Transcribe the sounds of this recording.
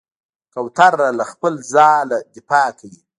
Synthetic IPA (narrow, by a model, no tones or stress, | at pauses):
kawt̪aɾːalaxpəlzɑːlad̪ɪfɑkawi